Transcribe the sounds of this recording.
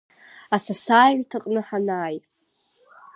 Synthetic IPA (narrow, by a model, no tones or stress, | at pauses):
asasaːʕʷᶣtʰɨqʼnɨħanaːjʼ